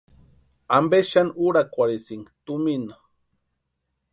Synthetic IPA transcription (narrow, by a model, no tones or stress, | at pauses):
ambeʃanuɾakʷaɾisiŋɡt̪umina